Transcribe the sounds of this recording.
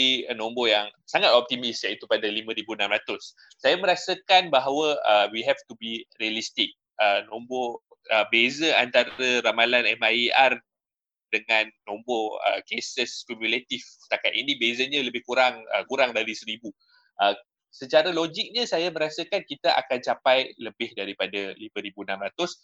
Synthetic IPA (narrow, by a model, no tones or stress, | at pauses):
inõmbojaŋsaŋat̪̚ɔp̚t̪imisjait̪upadalimə̃ɾibuənãmɾat̪ʊs | sajamə̃ɾasəkanbaɦawəəwiɦɛft̪ubiriəlist̪ɪk̚ | ənombo | əbezəant̪aɾəɾamalanɛmaiar | dəŋãnːomboə̰kesəskumjulet̪ift̪akat̪inibezəɲaləbɪhkuɾaŋə̰kuɾaŋdaɾisəɾibu | ʔə | sət͡ʃaɾalod͡ʒik̚ɲəsajamə̃ɾasakankit̪aʔa̰kant͡ʃapajləbɪhdaɾipadaliməɾibunãmɾat̪ʊs